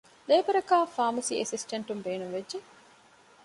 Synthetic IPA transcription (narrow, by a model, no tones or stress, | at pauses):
leːbɐɾɐkaːfaːmɐsiːʔesisʈɐɳʈumbeːnuŋʋedʒe